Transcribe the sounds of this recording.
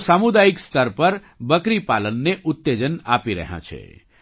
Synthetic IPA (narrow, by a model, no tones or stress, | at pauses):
samud̪ajikst̪əɾpəɾ | bəkɾipalənːeʔut̪ːed͡ʒəna̰piɾə̰ɦã̰t͡ʃʰḛ